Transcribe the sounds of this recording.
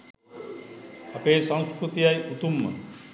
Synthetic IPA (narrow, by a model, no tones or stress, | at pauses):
ɐpeːsãw̃skɾut̪ijajut̪umːə̰